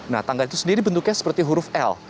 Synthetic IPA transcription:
na̰ht̪aŋɡalit̪u̥səndiɾibənt̪ukɲasə̥pərt̪iɦuɾʊfɛ̰l

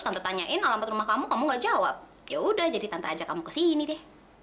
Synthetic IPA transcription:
st̪ant̪at̪aɲaʔɪnalambat̪ɾumahkamukamuŋɡaʔd͡ʒawap̚ | jaudahd͡ʒadit̪ant̪aːd͡ʒakamukə̥sinidɛh

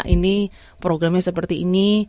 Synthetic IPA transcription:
ʔini | pɾoɡɾamɲasəpərt̪iʔːni

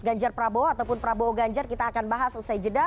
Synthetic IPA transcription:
ɡaɲd͡ʒarpɾaboat̪awpʊnpɾabooɡaɲd͡ʒarkit̪aːkanbaɦasusajid͡ʒəda

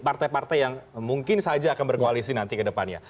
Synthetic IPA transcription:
part̪ajpart̪ajjaŋmuŋkɪnsad͡ʒaːkanbərkoalisinant̪ikədəpanɲa̰

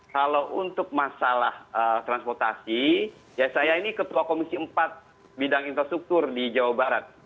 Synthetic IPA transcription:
kalawʔunt̪ʊk̚masalahət̪ɾanspɔrt̪asi | jasajainikət̪uakomisiəmpat̪̚ | bidaŋinfɾast̪ɾuk̚t̪ʊrdid͡ʒawabaɾat̪̚

